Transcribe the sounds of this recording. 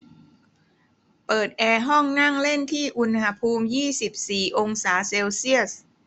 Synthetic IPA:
pɤː˨˩t̪̚ʔɛː˧ɦɔ˥˩ŋna˥˩ŋle˥˩nt̪ʰiː˥˩ʔu˧nha˧pʰuː˧mjiː˥˩si˨˩p̚siː˨˩ʔo˧ŋsaː˩˦se˧wsi˥˩əs

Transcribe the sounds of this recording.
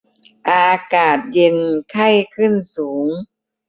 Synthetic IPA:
ʔaː˧kaː˨˩t̪̚je˧nkʰa˥˩jkʰɯ˥˩nsuː˩˦ŋ

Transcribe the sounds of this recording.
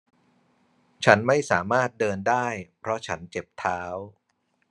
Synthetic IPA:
t͡ɕʰa˦˥nma˥˩jsaː˩˦maː˥˩t̪̚dɤː˧ndaː˥˩jpʰɾɔ˦˥t͡ɕʰa˦˥nt͡ɕe˨˩p̚t̪ʰaː˦˥w

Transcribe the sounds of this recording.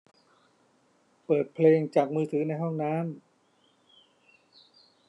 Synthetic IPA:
pɤː˨˩t̪̚pʰleː˧ŋt͡ɕaː˨˩k̚mɯː˧t̪ʰɯː˩˦na˧jɦɔ˥˩ŋnaː˦˥m

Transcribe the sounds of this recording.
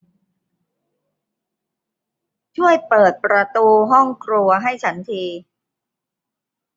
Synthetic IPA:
t͡ɕʰu˥˩əjpɤː˨˩t̪̚pɾa˧t̪uː˧ɦɔ˥˩ŋkʰɾu˧ɐɦa˥˩jt͡ɕʰa˦˥nt̪ʰiː˧

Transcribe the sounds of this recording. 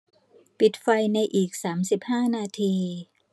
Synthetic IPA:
pi˨˩t̪̚fa˧jna˧jʔiː˨˩k̚saː˩˦msi˨˩p̚haː˥˩naː˧t̪ʰiː˧

